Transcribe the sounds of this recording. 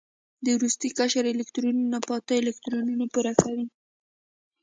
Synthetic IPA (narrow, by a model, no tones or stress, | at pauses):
d̪əɾust̪ikaʃaɾelɪkt̪ɾunnapɑt̪əɪlɪkt̪ɾonunopuɾaxawi